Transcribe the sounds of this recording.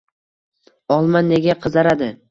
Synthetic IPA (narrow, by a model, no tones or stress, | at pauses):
ɒlˠmanːe̞ɡʲaqʰɨzaɾad̪ɪ